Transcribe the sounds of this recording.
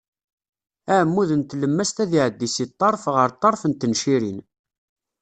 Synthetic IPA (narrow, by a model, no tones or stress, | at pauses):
æʕmːuðənt̪ləmːæst̪æðiʕəd̪ːisit̪ˤːɑɾˤfʁəɾt̪ˤːɑɾˤfənt̪ənʃiɾin